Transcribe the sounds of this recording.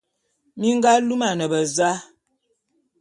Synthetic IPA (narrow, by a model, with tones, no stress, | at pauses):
mi˦ŋɡa˦lu˦ma˨nə˨bə˨za˦